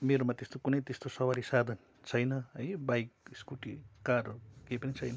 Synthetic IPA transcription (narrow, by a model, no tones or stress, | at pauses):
meɾomat̪est̪okunʌjt̪est̪osʌwaɾisad̪ʱʌn | t͡sʰʌjnʌɦʌjbajkskuʈikaɾokejpʌnit͡sʰʌjnʌ